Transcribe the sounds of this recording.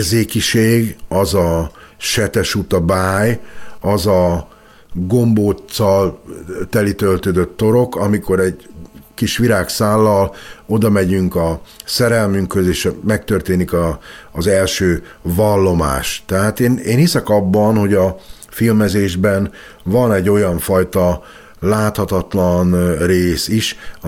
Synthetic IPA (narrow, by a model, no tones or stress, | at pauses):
zeːkiʃeːɡɒzɒʃɛt̪ɛʃut̪ɒbaːjɒzɒ | ɡo̞mboːt̪sɒlt̪ɛlit̪ølt̪øːd̪øt̪ːo̞ɾo̞kɒmiko̞ɾɛɟkiʃʋiɾaːksaːlːɒlo̞d̪ɒmɛɟyŋkɒsɛɾɛlmyŋkhøzeːʃmɛk̚t̪ørt̪eːnikɒːzɛlʃøː | vɒlːo̞ma̰ːʃt̪ɛɦaːt̪eːneːnhisɛkɒbːɒnho̞ɟɒ | filmɛzeːʒbɛn | vɒnɛɟːo̞jɒɱfɒjt̪ɒ | laːt̪hɒt̪ɒt̪lɒnreːsiʃ